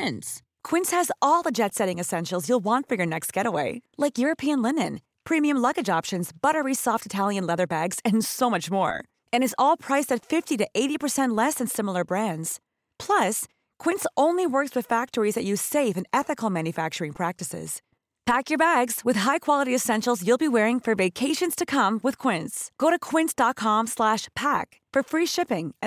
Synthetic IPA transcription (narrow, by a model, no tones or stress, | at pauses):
ɪ̃ns | kʰw̥ɪ̃nshɨzɔlˠðəd͡ʒɛtsɛɾɪ̃ŋɨsɛ̃nʃl̩ˠzjulˠwɑ̃ntfə˞jə˞nɛkst̚ɡ̥ɛɾəweɪlaɪkjʊɹɨpʰiɨ̃nlɪ̃nɨ̃n | pʰɹ̥ĩmiɨ̃mlʌɡɨd͡ʒɑpʃɨ̃nzbʌɾə˞isɔftɨtʰælˠjɨ̃nlɛðə˞bæɡz̥ɨ̃nsoʊmʌt͡ʃmɔ̰ɹ | ɨ̃ñɨzɔlˠpʰɹ̥aɪsɨtfɪftiɾɨʔeɪɾipʰə˞sɛ̃nʔˡlɛsɨ̃nsɪ̃ml̩ˠə˞bɹæ̃ndz̥ | pʰl̥ʌs | kʰw̥ɪ̃ntsõʊ̃nliwɜ˞kswɨð̥fæk̚tə˞izðɨt͡ʃɨ̥seɪvɨ̃nɛθɨkl̩ˠmæ̃njɨfæk̚t͡ʃə˞ɪ̃ŋpʰɹ̥æk̚tɨsɪ̰z̥ | pʰækjə˞bæɡz̥wɨð̥ɦaɪkʰw̥ɑlˠəɾiɨsɛ̃nʃl̩ˠzjɨlˠbiwɛɹɪ̃ŋfə˞veɪkʰeɪʃɨ̃nz̥tʰɨkʰʌ̃mwɨð̥kʰw̥ɪ̃ntsɡ̥oʊɾɨkʰw̥ɪ̃ntsd̥ɑt̚kʰɑ̃mslæʃpʰæk | fə˞fɹiʃɪpɪ̃ŋ